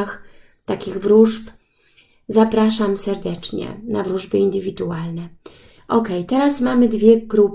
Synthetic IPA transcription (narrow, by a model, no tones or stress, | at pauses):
x | t̪akʲiɣvɾuʐp | zapɾaʂamsɛɾd̪ɛt͡ʂɲɛ̰navɾuʐbɘind̪ɘvʲid̪ualnɛ | ʔɔkɛjt̪ɛɾasmamɘd̪vʲjɛɡɾup